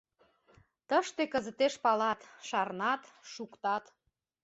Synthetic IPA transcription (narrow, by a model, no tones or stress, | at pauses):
t̪əʃt̪ekə̆zə̆t̪eʃpɑlɑt̪ʃɑrnɑt̪ʃukt̪ɑt̪